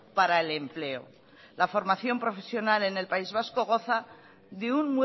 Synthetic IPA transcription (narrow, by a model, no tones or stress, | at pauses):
paɾaele̞mple̞o̞̰ | lafo̞ɾmaθjo̞mpɾo̞fe̞sjonale̞ne̞lpaizβ̞asko̞ɣ̞o̞θa | ðeunmwe